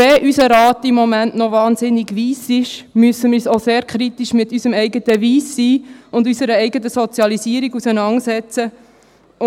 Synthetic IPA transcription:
ɛʔysəɾɑːt̪ɪmːɔmæntnɔʋɑːnzɪniɡʋiːsɪʃmyəsəmiːsoseːɾkʰɾit̪iʃmɪtysəmɛɪɡətəʋiːsːiːʊndysəɾəɛɪɡətəsɔt͡sjɑlisiːɾiɡusənɑŋsɛt͡sə

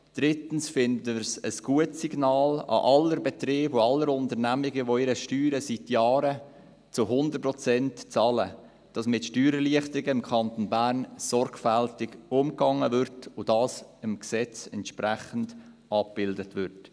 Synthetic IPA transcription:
d̥ɾɪtn̩sfɪnddɪɾsəsɡ̥uətsiɡ̥nɑːlɑ̰ʔɑlːəɾbɛt̪ɾeːboɑlːəɾʊntəɾnæmɪɡəʋoɪɾəʃtyːɾəsitjɑːɾə | t͡sʊɦʊnd̪ərprɔt͡sɛntt͡sɑːlə̰ | d̥ɑsmɪtʃtyːɾəliəχtəɾɪɡəɪmkʰɑnt̪onbæːɾnsɔɾɡfæltɪɡʊmkɑŋəvʏɾtʰʊd̥ɑːsɪmksɛt͡sɛntʃpɾæχən̩d̥ | ɑp̚b̥ɪldətʋʏrt

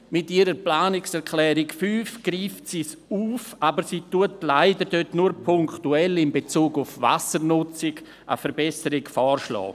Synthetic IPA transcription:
mɪtiɾəplaːnɪksɛɾkʰlɛːɾɪkfyːfɡ̥ɾiːftsiːs | uːfabəɾsiːtuətlaɪdəɾdøtnuɾpʰʊŋktuɛlɪmbet͡suːɡʊfva̰səɾnʊt͡sɪɡ | ʔə̰fəɾbɛsəɾɪkfɔːɾʃlɔ̰ː

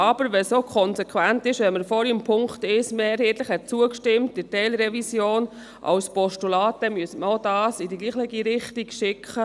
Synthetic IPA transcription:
ɑb̥əɾʋɛsokʰɔnsɛkχʋæntɪʃʋɛnməɾfɔːɾimpʰʊŋktɪʃmeɛɾhɛːtləχhɛt̚t͡suəkʃtɪmt̚d̥ɪtɛɪlɾɛvisjoːn | ʔɑ̰wspɔʃtulɑːt̚d̥ɛmyəsəməɾodɑːsidiɡliːχlɪɡiɾɪχtiɡ̥ʃɪkʰχə

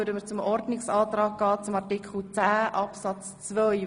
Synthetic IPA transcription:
ødəmət͡sʊmɔɾdnɪksɑːtɾɑːk̚ɡ̥ɑːt͡sʊmɑʁtɪkʰl̩t͡sæːʔɑpsɑt͡s | t͡svœʏ

